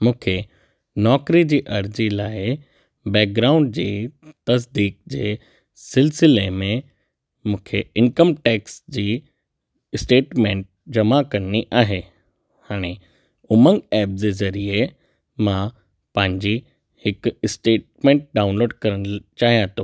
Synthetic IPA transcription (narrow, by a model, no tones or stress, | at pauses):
mũːkʰe | nɔːkɾid͡ʑiːʔɐɾd͡ʑilaːɪ | bɛːk̚ɡɾaːʊ̃ɳɖd͡ʑiːt̪ɐs̬d̪iːk̚d͡ʑeː | sɪlsɪlemẽ | mũːkʰeɪnkəmʈɛːksd͡ʑiː | ɪsʈeːʈmẽːɳʈ̚d͡ʑɐmakɐniʔaːɦeː | haːɽ̃e | ʊməŋɡɛːp̚d͡ʑezɐɾiə | mã | pɐ̃ɦɪ̃ɲd͡ʑi | hɪkɪsʈeːʈ̚mẽːɳʈ̚ɖaːʊ̃nloːɖkɐɾəñt͡ɕaːɦijãt̪oː